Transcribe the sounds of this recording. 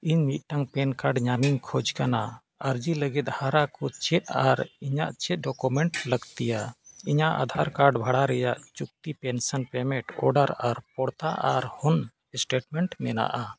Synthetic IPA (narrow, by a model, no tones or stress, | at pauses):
iɲmit̪̚ˀʈaŋpɛnkaɾɖɲamiɲkʰɔd͡ʒkana | aɾd͡ʒiləɡɛt̪̚ˀhaɾakɔt͡ʃɛt̪̚aɾiɲaʔt͡ʃɛt̪̚ɖɔkumɛɳʈləɡt̪ijaiɲaʔa̰d̪ʱaɾkaɾɖbʱaɽaɾɛjaʔt͡ʃuk̚t̪ipɛnsənpɛmɛ̃ʈɔ̰ɖaɾaɾpɔɽt̪aʔaɾhɔn | sʈeʈmɛɳʈmɛna̰ʔa